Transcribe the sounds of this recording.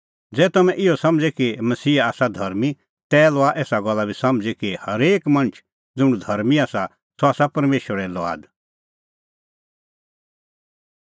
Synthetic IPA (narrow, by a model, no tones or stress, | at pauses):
d͡zɛːt̪ɐmɛ̃ʔɪosɐ̃md͡zɛkimɐsiːaːsad̪ʱɐɾmi | t̪ɛlɔaʔeːsaɡɔlːabʱisɐmd͡zɛkihɐɾeːkmɐ̃nt͡ʃʰ | d͡zʊ̃ɽ̃ũd̪ʱɐɾmiaːsa | soaːsapɐɾmeːʃʋəɾɛlɔa̰ːd̪